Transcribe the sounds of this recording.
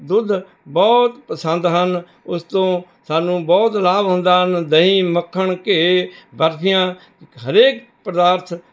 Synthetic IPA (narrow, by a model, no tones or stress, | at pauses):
d̪ʊd̪ʱ | bɔːt̪pəsənd̪ɦən | ʊst̪õː | saːnũːbɔːt̪laːbɦʊ̃nd̪aːɦənd̪əɦĩːməkʰːəɳkebəɾt̪ʰɪjãː | ɦəɾeːk̚ | pɾəd̪aːɾt̪ʰ